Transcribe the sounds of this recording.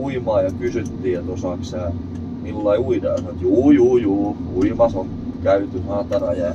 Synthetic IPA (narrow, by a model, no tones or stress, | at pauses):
uimɑːjɑkysyt̪ːiːjɑt̪osɑˑksæː | milːɑiuidɑːsɑnoet̪juːjuːjuːkuimɑsoŋ | kæyt̪ynɑt̪ɑrɑ̰jɑ